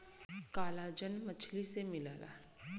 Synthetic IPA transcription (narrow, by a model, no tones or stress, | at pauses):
kaːlad͡ʒənmət͡ʃʰlisemɪla̰ːla̰ː